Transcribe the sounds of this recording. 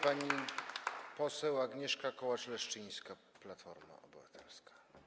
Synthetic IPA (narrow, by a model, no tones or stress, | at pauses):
paɲi | pɔsɛwaɡɲɛʂkakɔwat͡ʂlɛʂt͡ʂɘj̃skaplat̪fɔ̰ɾma̰ɔbɘvat̪ʰɛlskḁ